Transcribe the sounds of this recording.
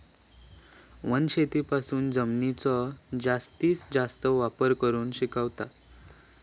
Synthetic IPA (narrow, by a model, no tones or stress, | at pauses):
ʋənɕet̪ipasuːnd͡zəmnit͡sɔd͡zast̪iːt͡sd͡zast̪əʋapəɾkəɾuːnɕikaʋt̪a